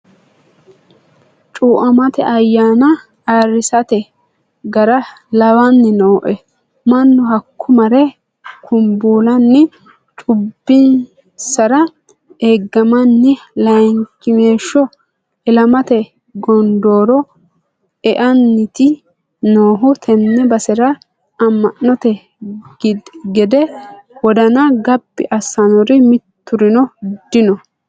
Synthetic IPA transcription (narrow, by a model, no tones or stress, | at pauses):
t͡ʃʼuːʔɐmɐt̪ɛ̰ʔɐjːaːnɐ | aːrɪsɐt̪ɛ | ɡɐɾɐ | lɐwɐnːɪnoːʔɛ | mɐnːɔɦɐkːʊmɐɾɛ | kʰʊmbuːlɐnːɪ | t͡ʃʼʊbːɪn | sɐɾɐ | eɡːɐmɐnːɪlɐjŋkːɪmeːʃːɔ | ɪlɐmɐt̪ɛ | ɡɔnd̪o̞ːɾɔ | ɛʔɐnːɪt̪ɪ | noːɦʊt̪ʰɛnːɛbɐsɛɾɐ | ɐmːɐʔnɔt̪ɛ | ɡɛd̪ɛwɔd̪ɐnɐɡɐbːɪ̰ʔɐsɐnɔɾɪmɪt̪ːʊɾɪnɔd̪ɪnɔ